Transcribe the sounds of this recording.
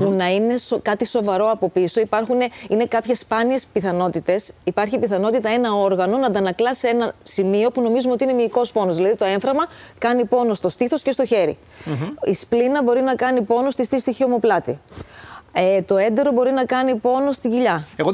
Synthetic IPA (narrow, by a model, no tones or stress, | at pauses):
punɐine̞sokɐt̪iso̞vɐɾo̞ɐpo̞piso̞ipɐɾxuneine̞kɐpçe̞spɐnie̞spiθɐno̞t̪it̪e̞sipɐɾçipiθɐno̞t̪it̪ɐe̞nɐo̞ɾɣɐno̞nɐd̪ɐnɐklɐse̞nɐsimio̞puno̞mizumeot̪iine̞miːko̞spo̞nozðilɐðit̪o̞e̞ɱfɾɐɣmɐ | kɐnipo̞no̞st̪o̞st̪iθo̞sce̞st̪o̞çe̞ɾḭ | isplinɐbo̞ɾinɐkɐnipo̞no̞st̪ist̪ist̪içio̞moplɐt̪i | et̪o̞e̞nd̪e̞ɾo̞bo̞ɾinɐkɐnipo̞no̞st̪iɟiʎɐeɣo